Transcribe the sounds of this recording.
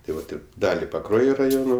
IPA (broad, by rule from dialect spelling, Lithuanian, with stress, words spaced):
tɐɪ ˈʋɐt ˈɪr ˈdɑːlʲɪ pɐˈkruɔjoː rɐˈjoːnoː